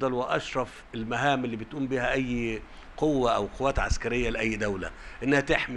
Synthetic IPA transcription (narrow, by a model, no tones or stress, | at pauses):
d̪ˤɑlwɪʔɑʃɾˤɑf | elmæɦæːmelːiːbɪt̪ʔuːmbiːhæʔæjː | qowːæʔæwqowːæːt̪ʕa̰skæɾejːælɪʔæjːd̪æwlæ̰ʔɪnːæhæt̪eħmi